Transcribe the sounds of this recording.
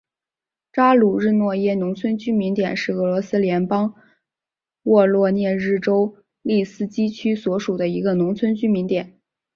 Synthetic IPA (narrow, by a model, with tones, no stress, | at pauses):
ʈ͡ʂa˥lu˨˩ɻɻ̩˥˧nwɔ˥˩jɛ˥nʊ˧˥ŋt͡sʰwə˥nt͡ɕy˥mi˧˥nt̪jɛ˨˩nʂɻ̩˥˩ɤ˧˥lwɔ˧˥sɹ̩˥ljɛ˧˥npɑ˥ŋ | wɔ˥˧lwɔ˥˧njɛ˥˧ɻɻ̩˥˩ʈ͡ʂo˥ʊ | li˥˩sɹ̩˥t͡ɕi˥t͡ɕʰy˥swɔ˧˥ʂu˨˩d̪ə˦i˧˥ɡə˧nʊ˧˥ŋt͡sʰwə˥nt͡ɕy˥mi˧˥nt̪jɛ˨˩˦n